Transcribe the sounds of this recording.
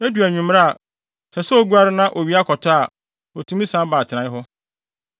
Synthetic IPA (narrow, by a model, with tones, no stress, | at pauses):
æ˦du˨æ˨ɲᶣũ˨m˦ɾa˦a˨ | sɛ˨sɛ˦ɔ˦ɡu˦a˦ɾɪ˦nã˦ʔɔ˨ɥi˨˦a˦kʰɔ˨tʰa˦a˨ | ɔ˨tʰũ˦mĩ˦sã˦baː˨tʰɪ˨nã˨˦ɪ˦ɦʊ˦